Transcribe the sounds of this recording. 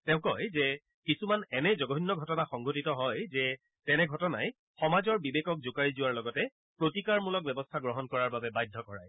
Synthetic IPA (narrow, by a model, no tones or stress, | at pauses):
tɛ̃ʊ̃kɔjzɛ | kisumanɛnɛzɔɡɔɦinːɔɡʱɔtɔnaxɔŋɡotitɔɦɔjzɛ | tɛnɛɡʱɔtɔna̰j | xɔmazɔɹbibekɔk̚zukajzʊwaɹlɔɡɔtɛ | pɹotikaɹmulɔk̚bɛbɔstʰaɡɹɔɦɔnkɔɹaɹbabɛbajdʱːɔkɔɹa̰j